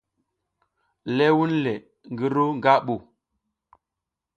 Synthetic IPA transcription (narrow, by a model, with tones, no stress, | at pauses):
lɛ˦wu˦nlɛ˨ | ŋ˨ɡi˦ɾo˦ŋ˨ɡa˦ɓu˨